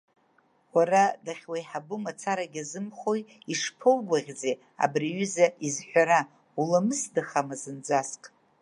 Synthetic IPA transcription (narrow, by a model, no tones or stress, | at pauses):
waradaχʲwajħabɨmat͡sʰaɾaɡʲazɨmχoj | iʂpʰolɡʷaʁʲd͡ze | a̰briɥʏzaʔizħʷᶣaɾa | ulamɨsdaχamazɨnd͡zʷaskʼ